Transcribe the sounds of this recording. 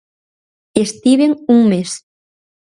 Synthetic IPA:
eʃt̪iβeŋuŋmeʃ

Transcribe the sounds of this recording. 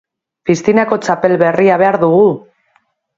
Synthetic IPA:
pist̪inako̞t͡ʃape̞lβe̞riaβe̞aɾðuɣu

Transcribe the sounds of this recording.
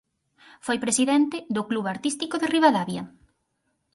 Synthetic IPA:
fojpɾesiðɛnt̪ɪðʊkluβaɾt̪ist̪ikoðeriβaðaβjɐ

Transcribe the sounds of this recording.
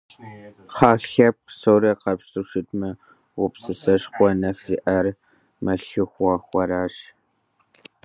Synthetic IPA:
χɑːɬɐp̚qsɐwɾɐqɐpʂtʰuʂɨtmɨ | wʊpsɨsɐʂχʷɔnɐxz̥iːʔɐr | mɐɬɨxʷɑːxʷɐɾaːɕ

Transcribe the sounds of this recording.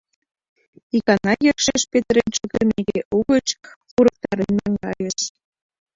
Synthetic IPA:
ikɑnɑjəkʃeʃpet̪əɾenʲt͡ɕuɣəneɣeʔuɣə̆t͡ɕkuɾɤ̆k̚t̪ɑɾənːɑŋɡɑjə̆ʃ

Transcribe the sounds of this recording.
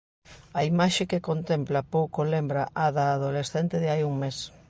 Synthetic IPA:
aimaʃekekont̪emplɐpowkolembɾɐʔaðaːðolesθent̪ɪðɪajuŋmes

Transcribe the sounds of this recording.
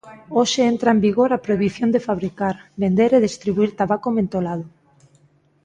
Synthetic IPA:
oʃeent̪ɾaembiɣoɾapɾojβ̞iθjond̪efaβɾikaɾbend̪eɾeðest̪ɾiβuiɾt̪aβakomẽnt̪olaðo

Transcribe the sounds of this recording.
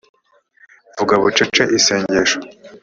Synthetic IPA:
vuɡaβut͡ʃet͡ʃaʔiseːɲɟeʃo̥

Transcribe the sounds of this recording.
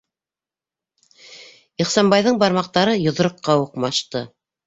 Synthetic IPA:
iχsɑmbɑjðɤɴbɑɾmɑq̚t̪ɑɾɤjŏð̆ɾɤ̆qːɑuqmɑʃt̪ɤ

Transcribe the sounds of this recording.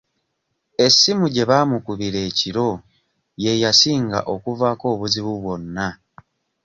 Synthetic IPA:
e̞sːimuɟe̞βaːmukuβiɾe̞ːciɾo̞ | je̞jasiːŋɡa̰ʔo̞kuvaːko̞ːβuziβuβwo̞nːa

